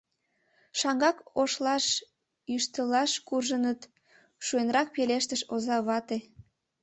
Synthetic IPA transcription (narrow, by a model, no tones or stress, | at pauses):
ʃɑŋɡɑkoʃlɑʃ | jyʃt̪əlɑʃkurʒənət̪ | ʃuenrɑk̚peleʃt̪əʃozɑβɑt̪e